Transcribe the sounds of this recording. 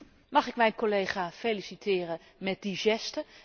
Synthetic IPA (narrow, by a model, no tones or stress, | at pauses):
mɑχɪkmɛjnkolejχaːfelisitʰɪːrə | mɛt̚diʒɛstə